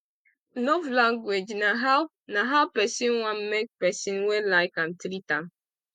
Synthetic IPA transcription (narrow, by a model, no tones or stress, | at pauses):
novlãŋɡwed͡ʒnaɦa | naɦaʊpɛsĩnwãmmek̚pɛsĩnwelaɪkãntɾitãm